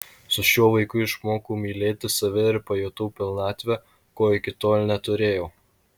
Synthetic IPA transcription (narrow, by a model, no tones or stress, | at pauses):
sʊʃʲuɔʋɐɪkʊɪʃmoːkuːmʲiːlʲeːt̪ʲɪsɐʋʲɪɪɾpɐjoːt̪uːpʲɪlˠnɑːt̪ʲʋʲɛ | koːɪkʲɪt̪oːlʲnʲɛt̪ʊɾʲeːjoː